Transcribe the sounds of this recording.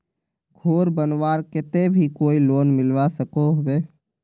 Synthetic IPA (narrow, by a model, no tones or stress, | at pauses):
ɡʱoːɾbənʋaːɾkɪt̪ebʱikoːiloːnmɪlʋasəkoɦweː